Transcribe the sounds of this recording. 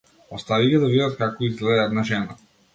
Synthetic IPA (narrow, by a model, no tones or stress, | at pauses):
ɔst̪aviɡʲɛd̪avid̪at̪̚kakɔizɡlɛd̪at̪naʒɛna